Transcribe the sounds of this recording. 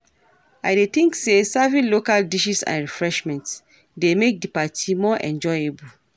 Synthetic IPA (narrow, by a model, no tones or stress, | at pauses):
aɪdet̪ĩŋksesɛvĩnlokaldiʃisã̰nɹifɹɛʃmɛ̃nts | demek̚dipatʰimɔʔɛ̰̃nd͡ʒɔjebu